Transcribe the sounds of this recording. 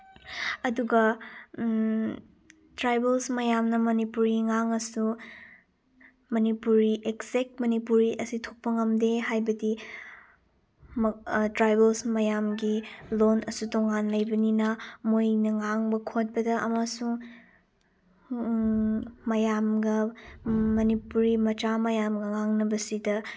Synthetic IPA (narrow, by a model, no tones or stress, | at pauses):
ɐduɡɐ | tɾajbelsmɐjamnɐmɐnipuɾiŋaŋɐsu | mɐnipuɾiʔeksek̚mɐnipuɾiʔɐsitʰok̚pɐŋɐmdehajbɐdi | tɾajbelsmɐjamɡilonɐsutoŋanlɐjbɐninɐmojnɐŋaŋbɐkʰot̚bɐdɐʔɐmasuŋ | mɐjamɡɐ | mɐnipuɾimɐt͡ʃamɐjamɡɐŋaŋnɐbɐsidɐ